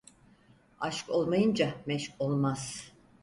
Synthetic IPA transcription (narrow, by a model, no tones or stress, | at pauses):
aʃko̞lˠmajɯnd͡ʒamɛʃko̞lˠmaz̥